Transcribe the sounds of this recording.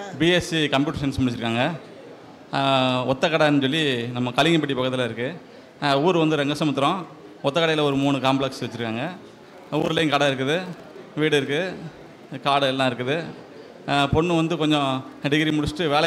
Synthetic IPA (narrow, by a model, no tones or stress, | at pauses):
biesikɐmpjuːʈeʂɐnsmʊɽɪt͡ʃːɪɾɯkːaːŋɡɐ | ɔt̪ːɐkɐɽɐɛnːɯs̬ɔlːinɐmːɐkɐlɪŋɡɐp̬ɐʈːipɐkːɐðɪlɐɪɾɯkːɯ | uːɾɯʋɐnd̪ɯɾɛŋɡɐsɐmɐt̪̬ːɪɾõ | ɔt̪ːɐkɐɽɐjɪlɐɔɾɯmuːɳɯkaːmplɛksʋɛt͡ʃːɪɾɯkːaːŋɡɐ | uːɾlɐɪnkɐɽɐɪɾɯk̬ːɯðɯ | ʋiːɽɯɪɾɯkːɯ | kaːɽɯɛlːãːɪɾɯkːɯðɯ | pɔɳːɯʋɐnd̪ɯkɔɲd͡ʒɔ̃ɐɖɪɣɐɾimʊɽɪsʈːɯʋeːlɐ